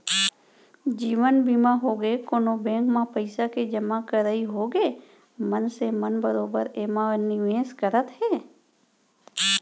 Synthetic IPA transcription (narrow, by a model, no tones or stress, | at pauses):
d͡ʒiːʋənbiːmaɦoːɡekoːnobẽːŋkmãpəɪsaked͡ʒəmakəɾəiɦoːɡeː | mənsemənbəɾoːbəɾeːmanɪʋẽːskəɾət̪ɦɛː